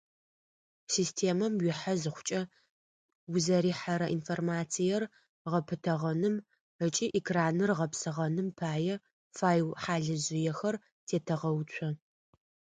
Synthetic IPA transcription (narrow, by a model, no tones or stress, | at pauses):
siːstʰeːmɐmɥɪħɐzɨχʷʊ̥t͡ʃʼɐ | wʊzɐɾiːħaɾɐʔinformaːt͡sʰijɛr | ʁɐpʰɨtʰɐʁɐnɨm | ət͡ʃʼiːʔɛkʰraːnɨrʁɐpsɨʁɐnɨmpʰaːjɛ | faːjwħaːɮɨʑɪjɛxɐr | tʰeːtʰɐʁɐwt͡ʃʷʰɔ